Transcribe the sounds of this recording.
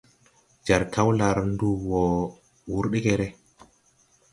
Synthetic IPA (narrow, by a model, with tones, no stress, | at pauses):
d͡ʒa˨ɾkʰa˦wla˨ɾndu˦wɔ˨ | wu˦ɾɗe˦ke˦˨ɾe˦